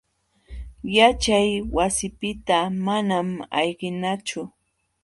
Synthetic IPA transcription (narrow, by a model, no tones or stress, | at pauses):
jat͡ʃajwasɪpɪt̪amanama̰jɢɪnat͡ʃʊ